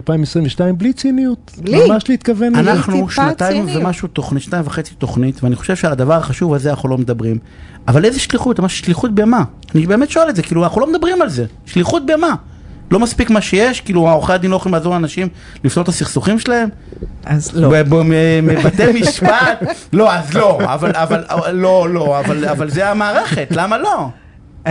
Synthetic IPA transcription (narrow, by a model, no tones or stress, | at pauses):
alpaimesʁimveʃtaimblit͡sinijut̪amaʃliit̪kavenanaχnuʃnat̪aimvemaʃut̪oχniʃntaimvaχe̞t͡sit̪o̞χnit̪veaniχo̞ʃe̞v̥ʃead̪avaʁχaʃuvalzeanaχulo̞med̪abʁim | avalezeʃliχut̪amaʃʃliχut̪̚beama | anibeme̞t̪ʃoeletze̞kiːluaχulomed̪abʁimalze̞ | ʃliχut̪̚bejama | lo̞maspikmaʃejeʃkiːluaoχead̪inloχimlazoʁanaʃim | lifnotasiχsuχimʃelae̞m | zbemevat̪emiʃpat̪lo̞azlo̞a̰valavalːolo̞avalavalzeamaːʁe̞χe̞t̪lamalo̞